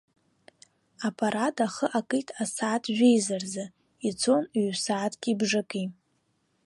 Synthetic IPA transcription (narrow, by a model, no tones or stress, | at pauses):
apʼaɾatʼaχəʔakʼɨjtʰʼasaːtʰʒᶣejzarzɨ | it͡sʰo̞niɥsaːtʰɡʲibʐɨkʼi